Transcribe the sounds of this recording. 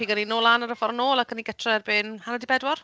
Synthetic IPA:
iːɡəninoːlˠanaɾəfɔɾnoːlˠakʰəniɡətʰrɛrbeːnhanadibɛdwɔr

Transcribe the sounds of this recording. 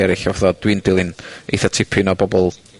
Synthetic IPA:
ɛɾɪɬawθɔd̥windɪlˠɪnḛθɔtʰɪpʰɪnɔbɔbɔlˠ

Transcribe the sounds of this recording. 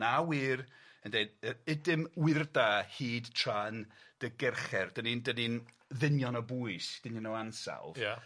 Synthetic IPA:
awirəndejəɪdɪmwɪrdahiːdtʰrand̥əɡɛrχɛrd̥ənindənin | ðɪnjɔnəbuɨsd̥ɪninɔwansa̰lˠvja

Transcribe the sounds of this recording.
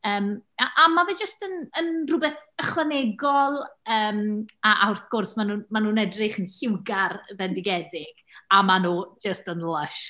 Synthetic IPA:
əːmaʔamavɛd͡ʒəstənənrʊbɛθəχwanɛɡɔlˠəːmaʔawrθɡ̥ʊrsmanuːnmanuːnɛdrɪχənɬɪwɡarðɛndɪɡɛdɪɡ̥amanuːd͡ʒəstənlˠəʃ

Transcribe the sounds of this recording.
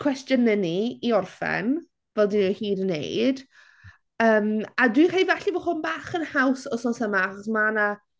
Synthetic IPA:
kʰw̥ɛstjənəniiɔrfɛ̰n | vɛlˠdinɛhiːdənːḛjd | əːmadwijʰaivaɬivɔχhʊnbaːχənhawsɔsɔnsəmaaχɔsmana

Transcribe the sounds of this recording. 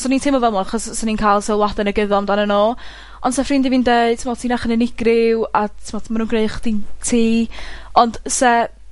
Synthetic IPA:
sɔnintʰɪmɔvɛlˠmɔaχɔssɔninkʰajlˠsɪlˠwadɛnəɡəðɔmdanənoː | ɔnd̥sɛfrɪndiviːndeɨd̥tʰmɔ̥tʰinaχənənɪɡrɪwatʰɪmɔ̥manuːnɡreɨχd̥intʰiːɔnd̥sɛ

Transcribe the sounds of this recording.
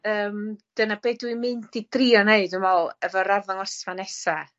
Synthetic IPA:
əːmd̥ənabeːdwimɨndidriɔneɨdɨmɔlˠəvɔɾavaŋˠɔsmanɛsa

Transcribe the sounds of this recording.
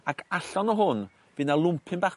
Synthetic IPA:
akʰaɬɔnɔɦʊn | vɨnalˠʊmpʰɪnba

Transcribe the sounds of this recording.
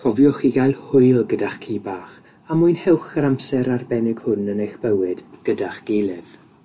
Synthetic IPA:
kʰɔvjɔχiɡajlˠhʊɨlˠɡədaχkʰiːbaːχ | amʊɨnhɛwχəɾamsɛɾarbɛnɪɡ̥hʊnənejχb̥əwɪd̥ɡ̥ədaχɡ̥ejlˠɪð̥

